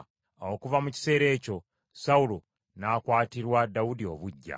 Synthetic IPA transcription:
okuvamuci̥se̞ːɾe̞ːco̞ | saulo | nakwaːtiɾwadaudio̞̰βuɟːa̰

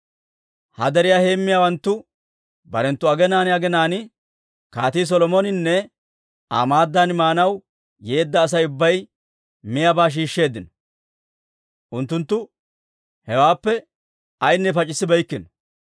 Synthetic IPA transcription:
hɐ̰d̪ɛɾɪjaːhe̞ːmːɪjaːwɐnt̪ːʊ | bɐɾɛnt̪ːʊɐɡɛnaːnɪɐɡɛnaːnɪ | kaːt̪iːs̬ɔlɔmɔnɪnːɛ | a̰maːd̪ːaːnmaːnɐw | je̞ːd̪ːɐːs̬ɐjʊbːɐj | mɪjabaːʃ̬iːʃːe̞ːd̪ːɪnɔ̥ | ʔʊnt̪ːʊnt̪ːʊ | hɛwaːpːɛ | ɐjnːɛpɐt͡ʃʼɪsːɪbɐjkːɪnɔ

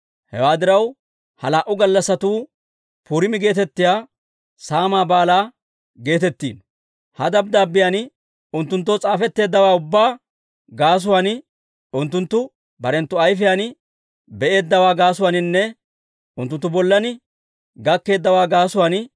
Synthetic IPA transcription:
hɛ̰waːd̪ɪɾɐw | hɐlaːʔʊɡɐlːɐsːɐt̪uː | puːɾɪmɪɡe̞ːt̪ɛt̪ːɪjaː | saːmaːbaːlaː | ɡe̞ːt̪ɛt̪ːḭːn | hɐd̪ɐb̚d̪aːbːɪjanɪ | ʊnt̪ːʊnt̪̬ːoːt͡sʼaːfɛt̪ːe̞ːd̪ːɐwaːʊbːaː | ɡaːs̬ʊwaːnɪ | ʊnt̪ːʊnt̪ːʊ | bɐɾɛnt̪ːʊɐjfɪjaːn | bɛʔe̞ːd̪ːɐwaːɡaːsʊwanɪnːɛ | ʊnt̪ːʊnt̪ːʊbɔlːɐnɪ | ɡɐkːe̞ːd̪ːɐwaːɡaːsʊwaːnɪ

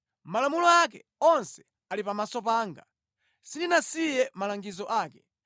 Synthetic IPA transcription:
malamulɔakɛ | ɔnsɛ̥ | alipamasɔpaːŋɡa | sindinasijɛmalaŋɡizɔʔaːkɛ

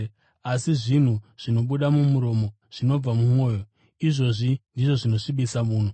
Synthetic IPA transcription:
asiʐin̤uʐ̥ino̞ɓuɗamumuɾo̞mo | ʐ̥ino̞b͡vvamumo̞ːjo̞ | iʐo̞ʐindiʐo̞ʐino̞ʂiɓisamuːno

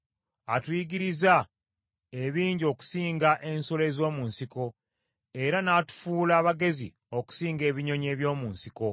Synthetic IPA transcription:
atwiːɡiɾiza | e̞βiːɲɟio̞ːku̥siːŋɡaʔe̞nso̞le̞ːzo̞ːmuːnsiko̞ | e̞ɾanaːtu̥fuːlaːβaɡe̞zḭ | o̞ku̥siːŋɡe̞ːβiɲo̞ɲe̞ːβjo̞ːmuːnsiko̞

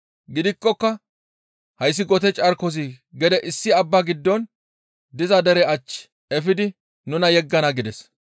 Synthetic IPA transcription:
ɡɪd̪ɪkʼːɔkːɐ | hɐjs̬ːɪɡɔt̪ɛt͡ʃʼɐɾkɔs̬iɡɛd̪ɛʔɪsːɪɐbːaɡɪd̪ːɔn | d̪ɪzɐd̪ɛɾɛɐt͡ʃː | ɛfɪd̪ɪ | nʊnɐjɛɡːɐnɐɡɪd̪ɛs

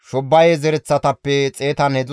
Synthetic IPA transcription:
ʃɔbːɐjɛzɛɾɛt͡sːɐt̪ɐpːɛt͡sʼe̞ːt̪ɐnɛd̪

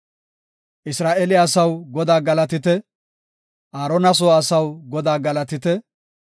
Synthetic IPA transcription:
ʔɪsɾaːʔɛlɪɐsɐwɡɔd̪aːɡɐlɐt̪ɪt̪ɛ | ʔaːɾɔnɐs̬oːɐsɐwɡɔd̪aːɡɐlɐt̪ɪt̪ɛ

